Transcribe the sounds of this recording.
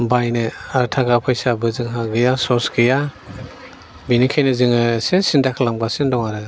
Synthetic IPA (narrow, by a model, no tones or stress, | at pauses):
bajnɯaɾtʰaɡapʰajsabɯzɯŋɦaɡɯjasɔɾsɡɯja | binikʰejnɯzɯŋɯsesindakʰlamɡasindɔŋaɾɯ